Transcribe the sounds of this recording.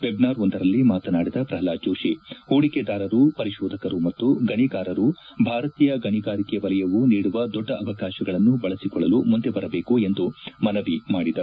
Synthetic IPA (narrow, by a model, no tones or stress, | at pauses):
ʋebnaːɾond̪ɐɾɐlːimaːt̪ɐnaːɽid̪ɐpɾɐɦɐlaːd͡ʒoːʃioːɽiked̪aːɾɐɾupɐɾiʃɔːd̪ʱɐkɐɾumɐt̪ːuɡɐɳiɡaːɾɐɾu | bʱaːɾɐt̪iːjɐɡɐɳiɡaːɾikeʋɐlɛjɐʋuniːɽuʋɐd̪ɔɖːɐɐʋɐkaːʃɐɡɐɭɐnːubɐɭɐsikɔɭːɐlumund̪ebɐɾɐbe̞ːkue̞nd̪umɐnɐʋimaːɽid̪ɐ